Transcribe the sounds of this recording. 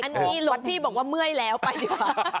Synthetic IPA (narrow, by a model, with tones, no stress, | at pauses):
ʔa˧˦nmiː˧lo˧ŋpʰiː˥˩bɔː˨˩k̚waː˥˩mɯ˥˩əjlɛː˦˥wpa˧jdiː˨˦kwaː˨˩˨w